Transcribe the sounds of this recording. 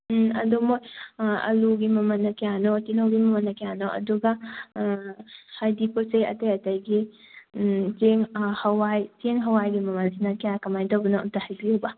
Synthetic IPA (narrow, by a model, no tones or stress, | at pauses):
ɐ̰domojɐ̰luɡimɐmɐnːɐkejanotinowɡimɐmɐnːɐkijanoʔɐ̰duɡɐ | hajdiposejɐ̰tɐjɐtɐjɡi | zeŋhɐwajteŋɦɐwajɡimɐmɐnsinɐkijakɐmajdɐwbunoutahɐjbiubɐ